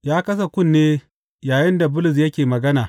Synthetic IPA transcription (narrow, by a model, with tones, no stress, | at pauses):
jaː˦kɐ˦s̬a˨kʷʊ˦˨nːeː˦ | jaː˨jɪ˦nda˨bʊ˦lʊ˨s̬jɐ˦kʲeː˨mɐ˨ɡɐ˦naː˨